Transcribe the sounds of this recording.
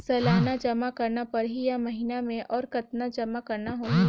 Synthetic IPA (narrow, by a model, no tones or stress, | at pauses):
sɐlaːɦnad͡ʒɐmakɐɾnapɐɾɦijamɐɦinamẽʔɔːɾkɐt̪nad͡ʒɐmakɐɾnaɦo